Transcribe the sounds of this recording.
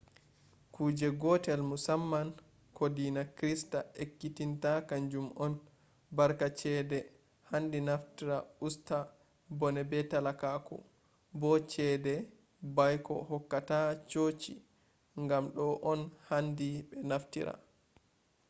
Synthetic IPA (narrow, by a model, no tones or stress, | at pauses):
kuːd͡ʒɛɡɔtɛlmusamːan | kodinakɾistaʔekːitintakand͡ʒumɔn | baɾkat͡ʃɛdɛ | handinaftiɾausta | bɔnɛbɛtalakakɔ̰ | bɔt͡ʃɛdɛ | bajkɔ̰hɔkːatat͡ʃoːt͡ʃḭ | ŋɡamɗɔʔɔnhandiɓɛnaftḭɾa̰